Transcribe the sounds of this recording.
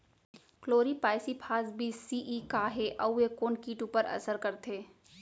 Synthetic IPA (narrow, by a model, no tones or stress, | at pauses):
kloːɾipaːɪsipʰaːsbʱisiːʔiːkaːɦeʔɐuekoːnkiːʈuːpəɾɐ̰səɾkɐɾt̪ʰeː